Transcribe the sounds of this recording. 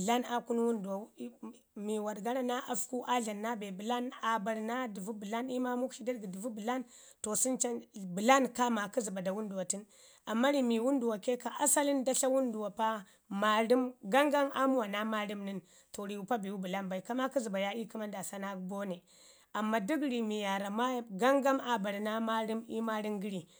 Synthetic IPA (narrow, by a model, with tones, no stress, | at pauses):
ɮa˦na˨ku˦n˦wu˦ndu˨wa˨˦ | mi˨wa˨ɾɡa˦ɾa˦na˦ʔa˨fku˦ʔa˦ɮa˨nːa˦be˨bu˨la˦na˨ba˨ɾna˦di˨vu˦bu˨la˦ni˦ma˦mu˦kʃi˦da˦ɾɡi˨di˨vu˦bu˨la˦n | to˨si˦nt͡ʃa˦nbu˨la˦nka˦ma˨ku˦zi˨ba˨da˨wu˦ndu˨wa˨ti˦n | a˨mːa˦ɾi˨mi˨wu˦ndu˨wa˨ke˦ka˨ʔa˦sa˦li˦nda˦ɬa˦wu˦ndu˨wa˨pa˦ | ma˦ɾi˦mɡa˦ŋɡa˦ma˦mu˦wa˨na˦ma˦ɾi˦mni˦n | to˨ɾi˨wu˨pa˦bi˨wu˦bu˨la˦nba˨i˨ka˦ma˦ki˦zi˨ba˨ja˦i˦ki˦ma˦nda˨sa˦na˦bo˦ne˨ | a˨mːa˨di˦ɡɾi˨mi˨ja˨ɾa˨ma˦ɡa˦ŋɡa˦ma˨ba˨ɾna˦ma˦ɾi˦mi˦ma˦ɾi˦ŋɡi˦ɾi˨